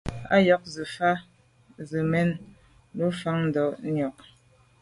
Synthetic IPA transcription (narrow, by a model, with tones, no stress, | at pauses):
a̰˦jɔ˦k̚zɨ˨fa˦ | zə˨mɛ˦n | lu˦fa˦ŋn̩˦dɔ˨ʔnɔ˨k̚